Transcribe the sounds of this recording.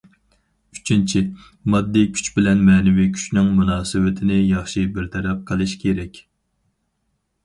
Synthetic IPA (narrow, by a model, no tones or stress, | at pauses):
y̥t͡ʃʰint͡ʃʰi | mɑd̪ːikʲʰy̥t͡ʃbɪlɛnmɛːnɪvikʲʰy̥t͡ʃnɪŋmunɑːsɨwɪt̪ʰɪnɪjɑχʃibɪɾt̪ʰɛɾɛp̚qʰəlˠɪʃkʲʰeɾɛkʲ